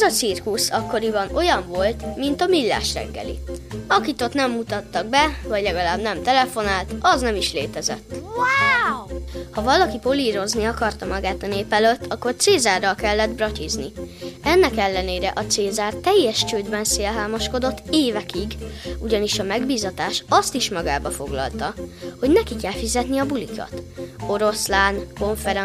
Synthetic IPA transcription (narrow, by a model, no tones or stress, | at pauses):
ɛzɒt̪sirkusɒkːo̞ɾibɒno̞jɒɱvo̞lt̪mint̪ɒmilːa̰ːʃrɛ̰ɡːɛ̰lḭɒkit̪o̞t̪nɛmːut̪ɒt̪ːɒɡ̚bɛvɒɟlɛɡɒlaːbnɛmt̪ɛlɛfo̞naːlt̪ɒznɛmiʃlḛːt̪ɛzɛ̰t̪ː | hɒvɒlɒkipo̞liːɾo̞zniɒkɒrt̪ɒmɒɡaːt̪ɒneːpɛløt̪ːɒkːo̞rt̪seːzaːrːɒlkɛlːɛd̪brɒcizniɛnːɛkɛlːɛneːɾɛʔɒt̪seːzaːrt̪ɛjːɛʃt͡ʃøːd̪bɛnseːlɦaːmɒʃko̞d̪o̞t̪ːeːvɛkiɡuɟɒniʃɒmɛɡbiːzɒt̪aːʃɒst̪iʃmɒɡaːbɒfo̞ɡlɒ̰lt̪ɒho̞ɟnɛkikɛlfizɛt̪niɒbulikʰɒ̰t̪o̞ɾo̞slaːnko̞ɱfɛɾ